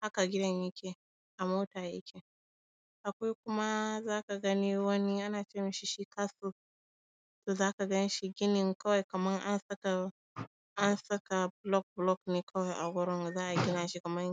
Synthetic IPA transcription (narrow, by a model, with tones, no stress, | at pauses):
ha˦ka˨ɡʲɪ˦dɐ˦ɲjɪ˦kʲe˨ | ʔa˨moː˦taː˨jḛ˦kʲe˨ | ʔa˨kʷa˦jkʷʊ˦ma˦zaː˦ka˨ɡɐ˦ni˦wɐ˦ni˦ʔa˦naː˨t͡ʃeː˦mɪ˦ʃi˦ʃiː˦kaː˦su˦ | toː˨zaː˦ka˨ɡɐ˦ni˦ʃi˦ɡʲɪ˦nɪ˨ŋkɐ˦wa˨jkɐ˨mɐ˦ŋʔa˦nsɐ˦ka˨ | ʔa˦nsɐ˦ka˨blɔ˦k̚blɔ˦kneː˦kʰɐ˦wa˨jʔa˨ɡʷɔ˦ɾɔ˦ŋ˨zaː˦ʔa˨ɡʲɪ˦naː˨ʃi˦kɐ˨mɐ˦ŋ